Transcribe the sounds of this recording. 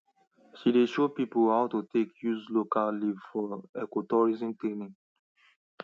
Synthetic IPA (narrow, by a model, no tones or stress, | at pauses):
ʃideʃopipuhaʊtutekjuzlokalivfɔɛkɔtɔɹizĩmtenĩŋ